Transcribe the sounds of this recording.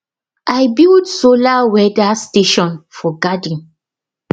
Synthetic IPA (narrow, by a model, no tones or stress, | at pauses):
ʔajbildsolawɛdasteʃɔ̃nfɔɡadĩn